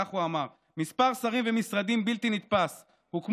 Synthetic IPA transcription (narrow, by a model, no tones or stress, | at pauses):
aχuamaʁ | mispaʁsaʁimve̞misʁad̪imbilt̪init̪̚pas | hukm